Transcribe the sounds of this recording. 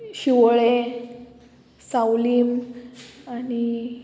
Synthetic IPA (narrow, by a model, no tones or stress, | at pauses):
ɕiʋɭe | sawlim | ani